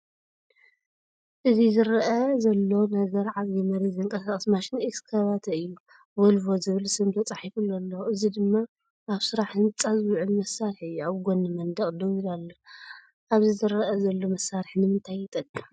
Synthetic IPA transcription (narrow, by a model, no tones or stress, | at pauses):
ʔɨzizɨɾɐʔɐzɐlːo̞nɐɡɐɾʕaβjimɐɾɐziɨŋkʼɐsaχʼɐsmaʃɪneskʰaβat̪ʰɨjːu | wolvozɨβɨlsɨmt̪ʰɐt͡sʼaħifulːolːɐɨzid̪ɨmːa | ʔaβsɨɾaħɨnt͡sʼazwuʕulmɐsːaɾħɨjːuaβɡonːɨmɐnd̪ɐχʼd̪ɐwiɾalːo | ʔaβzizɨɾɐʔɐzɐlːo̞mɐsːaɾħnɨmɨnt̪ʰajːɪt̪ʼɐkʼːi